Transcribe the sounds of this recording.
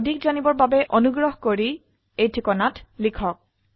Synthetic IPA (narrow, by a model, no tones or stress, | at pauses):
odʱikzanibɔɹbabɛʔonuɡɹɔɦkoɹi | ejtʰikɔnatlikʰɔk̚